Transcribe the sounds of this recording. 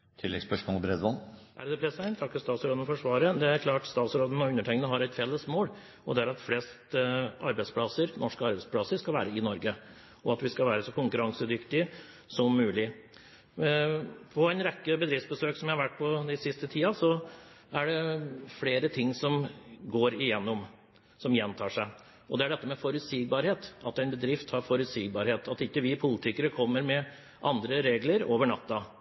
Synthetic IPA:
t̪ʰɪlːɛ̰ɡspœʂmɔlbɾɛd̪ʋɑnʔæ̰ɖd̪ɛpʰɾɛsæɪnt̪ʰɑkːəst̪ɑːt̪sɾoːd̪fɔʂʋɑːɾəd̪ɛæɾkʰlɑːʈst̪ɑːt̪sɾoːd̪ən̩ɔʉnːəʈʰɛɪŋənəɦɑɾɛt̪fɛlːəsmoːl | ɔd̪ɛæɾɑt̪fleːst̪ʔɑ̰ɾbæɪspʰlɑsəɾnɔʂkəɑɾbɛɪspʰlɑsəɾʂkɑlʋæ̰ːɾəɪnɔɾɡə | ɔɑt̪ʋɪskɑlʋæːɾəsɔkʊŋkʉɾɑŋsəd̪ʏkt̪ɪ | sɔmːʉːlɪ | pʰɔæɪnɾɛkːəbəd̪ɾɪftsbəsøːksɔmjæɪhɑɾʋæʈ̚ːpʰɔd̪ɪsɪst̪ət̪ʰiːɑsɔ | æɖɛfleːɾət̪ʰɪŋːsɔmɡoːɾɪjɛnːɔm | sɔmjɛnt̪ʰɑːʂæɪ | ɔd̪ɛæɖɛt̪ːəmɛfɔɾʉt̪siːɡ̚bɑːɾheːt̪ɑt̪ɛɪnbəd̪ɾɪft̪hɑɾfɔɾʉt̪siːɡ̚bɑːɾheːt̪ʰɑt̪ɪkːəʋɪpʰʊlɪt̪ʰɪkəɾəkʰɔmːəɾmɛ | ʔɑnd̪ɾəɾeːɡləɾoːʋəɳɑt̪ːɑ

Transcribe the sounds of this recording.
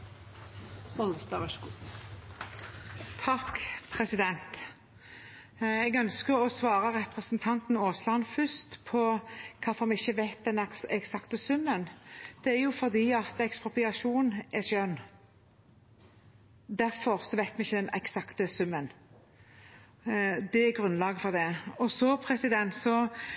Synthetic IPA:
ɔləsd̪ɑːʋæʂkuː | t̪ʰɑkpʰɾɛsɪd̪ɛnt̪ | ɛɡœnskəɾɔsʋɑːɾəʁɛpʁəsnt̪ʰɑnt̪n̩oːslɑnfʏst̪pʰɔkʰɑfɔɾmɛɪçːəʋæɪt̪̚d̪ɛnɛksɑkt̪əsʉmːənd̪̥ɛæɾjʊfɔɾd̪iːɑt̪ɛkspʁʊpɪɑʂuːnɛʃœnː | d̪æɾfɔɾsɔʋæɪt̪mɛɪçːəd̪ɛnɛ̰ksɑkt̪əsʉmːən | d̪ɛæɾɡɾʉnlɑːɡəfɔɾd̪ɛɔsɔpʰɾɛsɪd̪ɛnt̪sɔ

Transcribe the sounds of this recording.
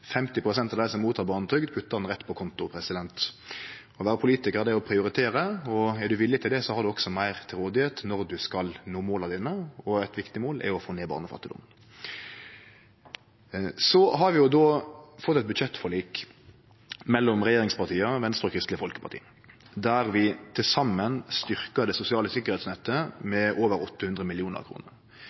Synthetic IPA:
fɛmt̪ɪpʰʁʊsɛnt̪ɑʋd̪æɪsɔmuːt̪ʰɑːɾbɑːn̩t̪ʰɾʏɡd̪pʰʉt̪ːɑʁnʁɛt̪ːpʰɔkʰɔnt̪ʊpʰɾɛsɪd̪ɛnt̪ | ɔʋæːɾəpʰʊliːt̪ɪkəɾd̪ɛɔpʰɾɪʊɾɪt̪ʰeːɾəɔɛd̪ʉʋɪlːɪt̪ʰɪld̪ɛsɔhɑɾd̪ʉɔksɔmæɪʁt̪ʰɪlʁoːd̪ɪheːt̪nɔɾd̪ʉskɑlnoːmoːlɑʋd̪iːnəɔæɪt̪ʋɪkt̪ɪmoːlʔɛ̰ɾʊɔfoːneːbɑ̰ːnəfɑ̰t̪ːɪd̪ʊ̰mə | sɔɦɑɾʋɪjʊd̪oːfɔt̪ːɛt̪̚bʉd̪ʃɛt̪ːfɔɭiːk | mɛlːɔmʁɛjeːɾɪŋspɑʁt̪ʰiːəʋɛnst̪əɾɔkʰɾɪst̪lɪəfɔlkə̥pʰɑʁt̪ʰḭː | d̪æɾʋɪt̪ʰɪlsɑmːənst̪ʏʁkəd̪ɛsʊsɪɑːləsɪkːəɾhɛt̪snɛt̪ːəmɛʔoːʋəɾɔt̪ːəhʉnd̪ʁɾəmɪlɪuːnə̰ɾɑ̰kʰɾṵːnəɾ

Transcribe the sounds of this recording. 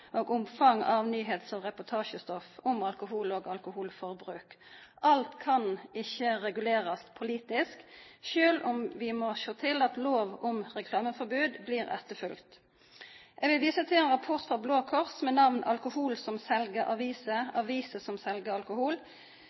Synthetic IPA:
ʔoːɡʊmfɑŋɑʋnyːɦeːt̪sɔmʁɛpʊt̪ʰɑːʃəst̪ɔfʊmɑlkʊɦuːloːɡɑlkʊhuːlfɔʁbɾʉːk | ɑlt̪kʰɑnɪçəʁɛɡʉleːɾɑspʰʊliːt̪ɪskʃøːlʊmʋɪmɔʃoːt̪ʰɪlɑt̪loːʋʊmʁɛkʰlɑːməfɔʁbʉːd̪bliːʁɛ̰t̪əfʉlkt̪ | ʔɛɡʋɪlʋiːsət̪ʰɪlɛnʁɑpʰʊʁt̪fʁɑbloːkʰɔʁsmɛnɑʋnɑ̰lkʊhuːlsɔmsɛlɡəɾʔɑʋiːsəɑʋiːsəsɔmsɛlɡəɾɑlkʊhuːl

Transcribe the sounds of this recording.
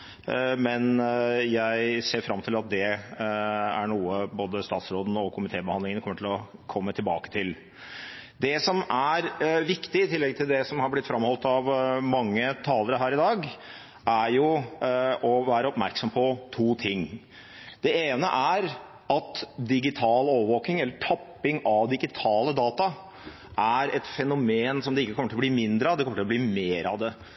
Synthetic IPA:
mɛnjæɪseːɾfɾɑmːt̪ʰɪlɑt̪̚d̪ɛ | æɳuːəboːd̪əst̪ɑːt̪sɾoːd̪n̩ɔkʰʊmɪt̪ʰeːbəhɑnd̪ɪŋənkɔmːəʈʰɪlɔkʰɔmːət̪ʰɪlbɑ̰ːkə̥t̪ʰɪl | d̪ɛsɔmʔæɾʋɪkt̪ɪɪt̪ʰɪlːɛɡt̪ʰɪld̪ɛsɔmhɑɾblɪt̪ːfɾɑmhɔlt̪ɑʋmɑŋːət̪ʰɑːləɾəɦæːɾɪd̪ɑːɡ | ʔæɾjʊ | ɔʋæːɾəɔpmæ̰ɾksɔmpʰɔt̪ʰuːt̪ʰɪŋː | d̪̥ɛeːnə̰ʔæɾ | ɑt̪d̪ɪɡɪt̪ʰɑːloːʋəʋoːkɪŋɛlːəʈʰɑpːɪŋɑʋd̪ɪɡɪt̪ʰɑːləd̪ɑːt̪ɑ | ʔæɾɛt̪fɛnʊmeːnsɔmd̪ɛɪkːəkʰɔməʈɪlbliːmɪnd̪ɾəɑd̪ɛkɔməʈɪlɔbliːmeːɾɑ̰d̪ɛ

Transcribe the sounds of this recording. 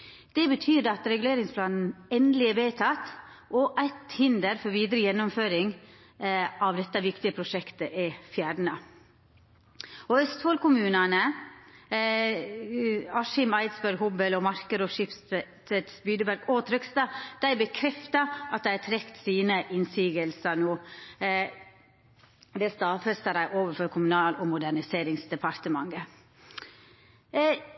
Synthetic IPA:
d̪̥ɛbət̪ʰyːd̪əɑt̪ɾɛɡʉleːɾɪŋspʰlɑːnn̩ɛnd̪lɪɛʋeːt̪ʰɑt̪ | ʔɔʔæɪt̪hɪnd̪əɾfɔɾʋiːd̪ɾəjɛnːʊmføːɾɪŋ | ɑʋd̪ɛt̪ːəʋɪkt̪ɪəpʰɾʊʂɛkt̪əʔɛfjæːɖɳə | ɔœst̪hɔlkʊmʉːnɑnə | ɑʃɪmɑɪd̪sbæɾɡhʊbəlɔmɑɾkəd̪ɔʃɪpst̪ʰɛt̪sbyːd̪əbæɾɡot̪ʰɾʏkst̪ɑːd̪̥æɪbəkʰɾɛft̪ɑɑt̪̚d̪æɪt̪ʰɾɛkt̪siːnəʔɪnsiːɡəlsənuː | d̪ɛst̪ɑːfɛst̪əɾæɪʔoːʋəfɔɾkʰʊmʉnɑːlɔmʊd̪æɳɪseːɾɪŋsd̪ɛpʰɑɾt̪əmɑŋɡə

